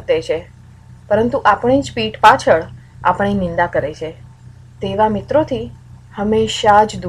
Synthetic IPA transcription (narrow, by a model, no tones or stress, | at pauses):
t̪et͡ʃʰe | pəɾənt̪uʔapəɳ̃id͡ʒpiʈpat͡ʃʰəɭ | a̰pəɳ̃inɪ̃nd̪akəɾet͡ʃʰe | t̪eʋamɪt̪ɾot̪ʰi | həmeʃad͡ʒd̪